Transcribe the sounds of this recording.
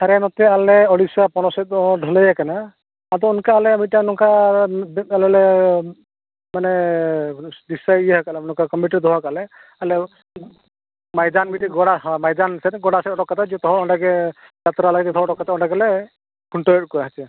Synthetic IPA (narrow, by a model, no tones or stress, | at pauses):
saɾɛnɔt̪ɛalɛɔɽisapɔnɔsɔt̪̚ɔɖʱɔlɛjakanaː | t̪ɔɔnkaːlɛamiʈanɔŋka | alɛlɛ | manɛ | disaijɛɦakalɛnɔ̃ŋkakɔmpiʈiɾd̪ɔɦakalɛ | alɛ | majd̪anbiʈiɡɔɽaɔmajdansɛtɡɔɽasɛɔɽɔkːat̪ʰad͡ʒt̪ɔɦɔɔɖaɡɛ | d͡ʒat̪ɾalaɡd͡ʒɛt̪ɔɦɔɔɽɔkːat̪aɔ̃ɖaɡɛlɛ | kʰuɳʈɔjɛʈ̚kɔjaɦat͡ʃɛ